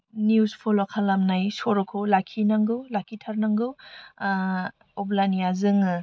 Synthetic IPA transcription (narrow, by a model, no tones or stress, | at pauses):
niuspʰolakʰalamnajsoɾɔkʰolakʰinaŋɡɯwlakʰitʰaɾnaŋɡɯw | oblanijazɯŋɯ